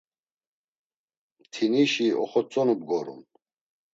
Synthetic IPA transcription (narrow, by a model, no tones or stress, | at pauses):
t̪ʰiniʃiɔ̰χɔt͡sʼɔnubɡɔɾṵn